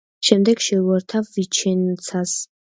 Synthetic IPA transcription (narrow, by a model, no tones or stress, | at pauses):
ʃɛmd̪ɛɡʃɛuɛɾt̪ʰavvit͡ʃʰɛnt̪sʰas